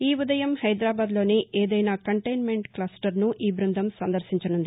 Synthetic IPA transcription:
iːʋud̪ɐjɐmhɐjd̪ɾaːbaːd̪lo̞ːniʔeːd̪ɐjnaːkɐɳʈɐjnme̞ɳʈklaːsʈɐɾnuʔiːbɾɐnd̪ʱɐmsɐnd̪ɐɾsiɲt͡ʃɐnund̪ii

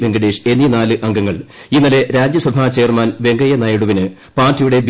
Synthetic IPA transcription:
ʋeŋɡɐɽeːʂe̞nːinaːlɨʔɐŋɡɐŋːɐɭinːɐle̞ɾaːd͡ʑjɐsɐbʱaːt͡ɕe̞ːrmaːnʋe̞ŋɡɐjɐnɐjɐɽuʋinɨ | paːrtːijuɽe̞b

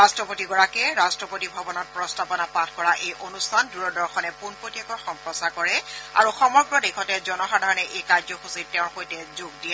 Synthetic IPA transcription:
ɹastɹɔpotiɡɔɹakɛɹastɹɔpotibʱɔbɔnɔt̚pɹɔstapɔnapatʰkɔɹaʔejʔonustʰanduɹɔdɔɹxɔnɛpunpotiakɔɹxɔmpɹɔsakɔɹɛa̰ɹuxɔmɔɡɹɔdekʰɔtɛzɔnɔxadʱaɹɔnɛʔejkajzɔxusit̚tɛʊ̃ɹxojtɛzoɡ̚diɛ

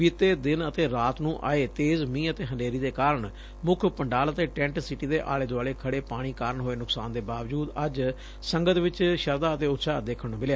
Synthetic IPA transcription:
ʋiːt̪ːeːd̪ɪnət̪eːɾaːt̪nũːʔa̰ːeːt̪eːzmĩːət̪eːɦənɖeːɾiːd̪eːkaːɾəɳ | mʊkʰpəɳɖaːlət̪eːʈɛ̃ɳʈsɪʈiːd̪eːʔa̰ːleːd̪oaːleːkʰəɽeːpaːɽ̃iːkaːɾəɳɦoːeːnʊksaːnd̪eːbaːʋd͡ʒuːd̪əd͡ʒ | səŋɡət̪ʋɪt͡ʃʃəɾd̪aːət̪eːʊt̪ːʃʰaːd̪eːkʰəɳũːmɪljaː

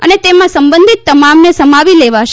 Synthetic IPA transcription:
ə̰net̪emãsəmbə̃nd̪ʱit̪ːəmamnesəmaʋileʋaʃ

